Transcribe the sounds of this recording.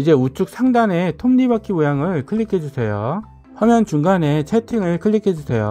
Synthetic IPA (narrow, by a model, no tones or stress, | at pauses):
id͡ʑe̞ut͡ɕ͈ʰuk̚sʰaŋdane̞tʰomɲibak͈ʰimojaŋɯɭkʰɯʎːikʰʌd͡ʑusʰe̞jo̰ | ɸʌmjʌnt͡ɕuŋɡane̞t͡ɕʰetʰiŋɯɭkʰɯʎːikʰed͡ʑusʰe̞jo̰